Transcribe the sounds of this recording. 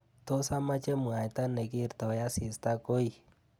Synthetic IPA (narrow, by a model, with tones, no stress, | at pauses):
t̪o˦sa˦ma˦t͡ʃe˦mu˨a˨jt̪a˦ne˨ki˦˨ɾt̪a˨˦ja˦si˨st̪a˦ko˦i˦